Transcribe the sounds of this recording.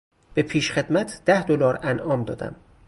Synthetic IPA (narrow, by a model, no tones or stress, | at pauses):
b̥epʰiːʃxe̞d̪mæt̪ʰd̪̥æhd̪olɒːɾænʔɒːmd̪ɒ̰ːd̪æ̰m